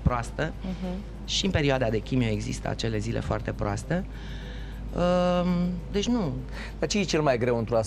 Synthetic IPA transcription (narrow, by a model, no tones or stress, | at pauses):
pɾoast̪ə | ʃiɨmpe̞ɾioad̪ad̪e̞kʲimjoe̞ɡzḭst̪ə̰a̰t͡ʃe̞le̞zilʔe̞̰foa̰rt̪e̞pɾoast̪e | ə | d̪e̞t͡ʃʲnu | d̪̥at͡ʃejet͡ʃe̞lmajɡɾe̞wɨnt̪ɾuas